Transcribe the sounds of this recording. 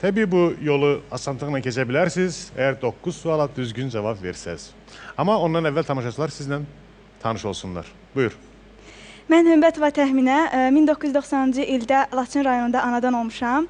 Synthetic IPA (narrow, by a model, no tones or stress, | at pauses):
t̪ʰebiːbujo̞lˠuasant̪ʰɯɣɯnacʰe̞t͡ʃʰebilʲæɾsiz̥ejæɾd̪o̞kʰːuz̥sualˠad̪yzɟynd͡ʒavapveɾsɛ̰z̥ | amao̞nd̪anɛvːælʲt̪ʰamaʃat͡ʃʰɯlˠaɾsizd̪æn | t̪ʰanɯʃo̞lˠsunlˠa̰ɾ̥ | bujuɾ | mænhømbæt̪ʰovɑt̪ʰæhminæmind̪okʰːujyzd̪o̞xsɑnɯnd͡ʒɯʔild̪ælˠɑt̪ʰinɾɑjonund̪ɑʔːnɑd̪ɑno̞lˠmuʃɑm